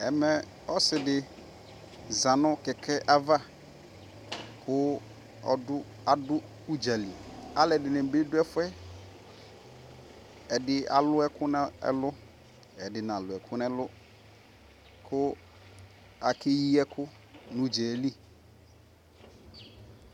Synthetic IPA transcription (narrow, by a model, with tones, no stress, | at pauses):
ɛ˨mɛ˨ | ɔ˦sɪ˨dɪ˨ | za˨nʊ̃˦kɛ˨kʰɛ˦ʔa˦va˦ | kʰʊ˦ | ɔ̰˨dʊ˦ | a˨dʊ˦ | u˦d͡ʒa˨li˨a˦lɛ˨dɪ˨nɪ̃˨be˦dʊ˦ɛ˦fʊ˦ɛ˦ | ɛ˨dɪ˦a̰˨lʊ˦ɛ˦kʰʊ˦n˦ɛ̰˦lʊ˦ | ɛ˨dɪ˨nã˨lʊ˨ɛ˨kʰʊ˦nɛ˦lʊ˦ | kʰʊ˦ | a˨kʰe˦ji˦ɛ˦kʰʊ˦ | nʊ̃˨d͡ʒɛ˨li˦